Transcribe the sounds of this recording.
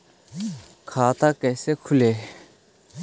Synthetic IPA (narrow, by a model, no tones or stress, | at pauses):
kʰaːt̪akeːsekʰuleː